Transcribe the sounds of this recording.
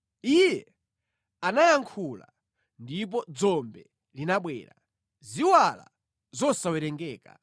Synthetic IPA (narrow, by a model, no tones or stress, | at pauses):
ijɛ | anajaŋkʰula̰ | ndip̬ɔd͡zɔmbɛ | linaɓwɛ̰ːɾa̰ | ziwala̰ | zɔsawɛɾɛŋɡɛːka